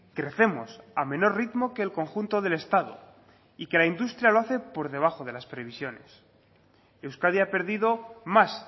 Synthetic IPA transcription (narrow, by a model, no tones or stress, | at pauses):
kɾe̞θe̞mo̞̰samẽ̞no̞rrit̪mo̞ke̞ːlko̞ŋxunt̪o̞ðe̞le̞st̪að̞o̰ | ike̞laind̪ust̪ɾjalo̞aθe̞po̞ɾðe̞β̞axo̞ð̞e̞laspɾe̞β̞isjo̞ne̞̰s | ewskaðiape̞ɾðiðo̞mas